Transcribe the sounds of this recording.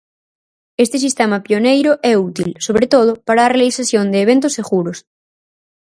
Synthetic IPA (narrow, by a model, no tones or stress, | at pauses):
est̪esist̪emapionejɾʊʔɛut̪ilsoβɾet̪oð̞ʊpaɾaːrealisaθjond̪eːβ̞ent̪oseɣuɾos